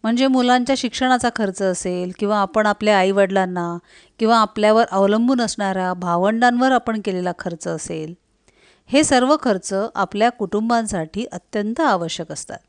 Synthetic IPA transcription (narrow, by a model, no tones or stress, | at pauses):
m̤əɳd͡zemulaɲt͡ɕjaɕikʂəɽ̃at͡sakʰəɾt͡səːselkĩw̃ʋaːpəɳapljaaiʋəɽlanːa | kĩw̃ʋaːpljaʋəɾʔəʋləmbʱuːnəsɳaɾjabʱaʋəɳɖanʋəɾapəɳkelelakʰəɾt͡səːsel | hesəɾʋəkʰəɾt͡səʔapljakuʈumbansaʈiːʔət̪jənt̪əaʋəɕjəkəst̪a̰t̪̚